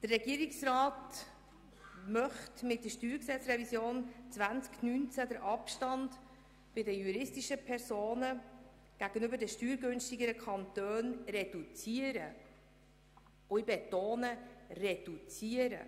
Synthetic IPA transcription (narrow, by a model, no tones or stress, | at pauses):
d̥ərːɛɡiːəɾɪksrɑːt | mœχtmɪt̚dəʃtyːɾksɛt͡sɾɛvisjoːnt͡svænt͡sknynt͡sædəɾʔɑpʃtɑnd | b̥ɪdəjuɾɪstiʃəpʰɛɾsoːnə | ɡ̥æɡ̥ənʏbəɾdɛʃtyːɾɡɵnstiɡəɾəkʰχɑntøːnrɛdut͡siəɾə | uibetoːnərɛd̥ut͡siːəɾə̰